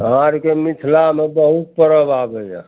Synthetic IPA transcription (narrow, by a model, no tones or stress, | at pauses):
ãɾkemit̪ʰlamebəɦut̪̚pəɾəbabəja̰